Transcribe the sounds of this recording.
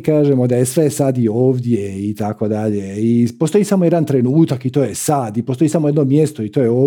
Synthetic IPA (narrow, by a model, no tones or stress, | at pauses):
kaːʒemo̞d̪ajesʋe̞sad̪ioːʋd̪je̞it̪ako̞d̪aʎe̞ipost̪o̞jisamoje̞d̪ant̪ɾe̞nuːt̪akit̪o̞ːjesad̪ipost̪o̞isamo̞jed̪no̞mje̞st̪o̞it̪o̞ːjeoː